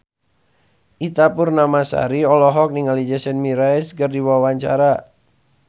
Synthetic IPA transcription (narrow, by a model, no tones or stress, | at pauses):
ʔit̪apʊrnamasa̰ɾiɔlɔɦɔk̚niŋalid͡ʒasɛnmiɾajskərdiwawaɲt͡ʃa̰ɾa